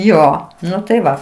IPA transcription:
ˈjoː ˈnʊ tɐɪ ˈʋɐ

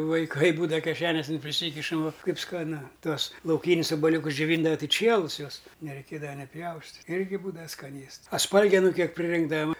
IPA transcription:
ʋɐɪˈkɐɪ ˈbuːdɐʋɐ kʲɛˈʃʲæːnʲoːsʲɪn pʲrʲɪˈsʲiːkʲɪʃɐm ʋoː ˈkɐɪp skɐˈnʊ ˈtuɔs lˠɐʊˈkʲiːnʲɪs oːbɐˈlʲuːkʊs d͡ʒʲoːˈʋʲiːndɐʋɐ ˈtɨ ˈt͡ʃʲiɛlˠʊs ˈjuɔs nʲɛrʲɛɪˈkʲeːdɐʋɐ nʲɪ ˈpʲjɛʊsʲtʲɪtʲ ˈɪrʲɡʲɪ ˈbuːdɐʋɐ skɐˈnʲeːsts ɐ ˈspɐlʲɡʲɛnʊ ˈkʲiɛk ʋɐ

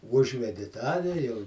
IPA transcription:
ˈʊʒʲʋʲɛdʲɪ ˈtɑː ʋʲɛ jɛʊ

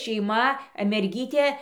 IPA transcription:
ʃʲɛɪˈmɐ mʲɛrʲˈɡʲiːtʲeː

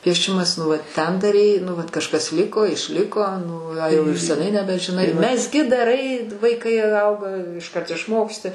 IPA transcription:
pʲiɛˈʃʲɪmɐs nʊ ˈʋɐt ˈtʲɛn dɐˈrʲɛɪ nʊ ˈʋɐt kɐʃˈkɐs ˈlʲɪkoː ɪʃʲˈlʲɪkoː ˈnʊ ɐ jɛʊ ɪr sʲɛˈnɐɪ nʲɛbʲɛʒʲɪˈnɐɪ mʲɛzʲˈɡʲɪ dɐˈrɐɪ ʋɐɪˈkɐɪ ˈɐʊɡɐ ɪʃˈkɐrt ɪʃˈmoːksʲtʲɪ

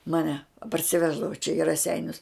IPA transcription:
mɐˈnʲɛ pɐrʲsʲɪˈʋʲæːʒdɐʋoː t͡ʃʲɛ ɪ rɐˈsʲɛɪnʲʊs

